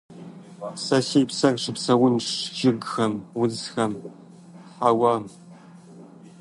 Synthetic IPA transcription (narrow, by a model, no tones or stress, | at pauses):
sɐseːpsɐrʂɨpsɐwʊnʂʒɪɡxɐmwʊzxɐm | ħawaːm